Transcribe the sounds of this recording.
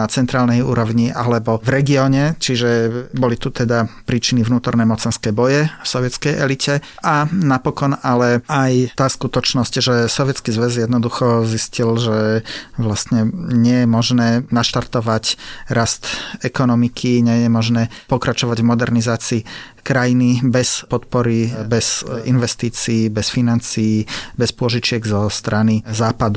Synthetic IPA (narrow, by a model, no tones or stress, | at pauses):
at͡sɛnt̪ɾaːlnɛjṵːɾɔʊɲiʔalɛbɔvɾɛɡiɔːɲɛt͡ʃiʒɛbɔlit̪ut̪ɛd̪apɾiːt͡ʃinivnuːt̪ɔɾnɛmɔt͡sɛnskɛːbɔjɛfsɔʋjɛt͡skɛjʔɛ̰licʰɛ | anapɔkɔnalɛajt̪aːskut̪ɔt͡ʃnɔscʒɛsɔʋjɛt͡skizʋɛzjɛd̪nɔd̪uxɔziscilʒɛʋlast̪ɲɛɲɪɛjɛmɔʒnɛːnaʃt̪aɾt̪ɔʋacɾʔast̪ɛkɔnɔmikʰiɲɛjɛmɔʒnɛːpɔkɾat͡ʃɔʋaɟvmɔd̪ɛɾnizaːt͡siː | kɾajinibɛspɔt̪pɔɾibɛzinʋɛst̪iːt͡siːbɛsfinant͡siːbɛspʊɔʒit͡ʃɪɛɡzɔst̪ɾanizaːpad̪u